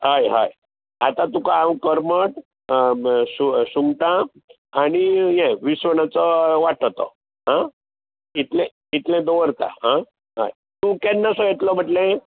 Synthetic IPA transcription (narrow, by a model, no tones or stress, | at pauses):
ɦajɦa̰j | at̪ãt̪ukaawkəɾməʈ | susuŋɡʈã | aɽ̃ijɛ̃ʋisʋəɳ̃at͡sɔʋaʈʰt̪ɔ̰ | ɦã | it̪lɛ̃ | it̪lɛ̃d̪oʋəɾt̪a̰ɦã | ɦa̰j | t̪ukɛnːasɔjet̪lɔb̤ʱəʈlẽ